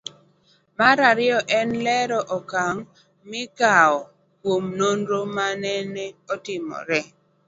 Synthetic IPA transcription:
maɾaɾɪɔʔɛnlɛɾɔʔɔkaŋ | mɪɡaɔ | kwomnonɾomanɛnɛɔtɪmɔ̰ɾɛ

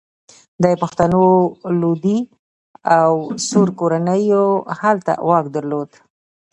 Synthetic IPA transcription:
d̪ɑjepəxt̪anolod̪i | awsuɾkoɾanəjohalt̪a̰wɑkd̪əɾlod̪

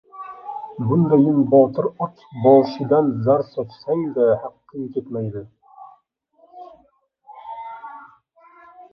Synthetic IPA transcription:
bʊnd̪ajɪnbɒt̪ʰɨɾɒt͡ʃʰbɒlˠʃɪd̪anzaɾsɒt͡ʃsaŋd̪ahaqːɨŋkʲʰe̞t̪majd̪ɪ

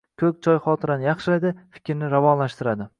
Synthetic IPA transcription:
kʰɵk̚ʲt͡ʃʰɒjχɒt̪ʰɪɾanɪjɑχʃɪlajd̪ɪfɪ̥kʲʰɾnɪɾavɒnlaʃt̪ɪɾad̪ɪ

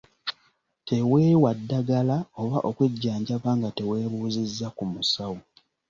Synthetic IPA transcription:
te̞we̞ːwadːaɡalao̞βaʔo̞kweɟːaːɲɟaβaːŋɡate̞we̞ːβuːzizːakumusawu

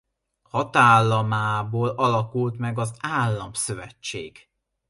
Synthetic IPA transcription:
hɒt̪aːlːɒmaːboːlɒlɒkult̪mɛɡɒzaːlːɒmsøvɛt͡ʃːḛːɡ̥

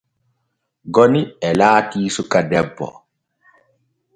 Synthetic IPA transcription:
ɡɔniɛlaːtiːsukadɛbːɔ̰

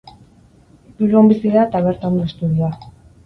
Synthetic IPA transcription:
uɾuombisiðaet̪aβ̞eɾt̪aond̪oest̪uðia

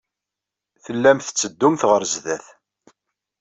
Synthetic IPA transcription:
θəlːæmθə̥t͡sːəd̪ːumθʁəɾzðæθ

